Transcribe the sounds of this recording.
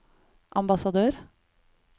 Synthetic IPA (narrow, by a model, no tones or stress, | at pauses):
ʔɑmbɑsɑd̪øːɾ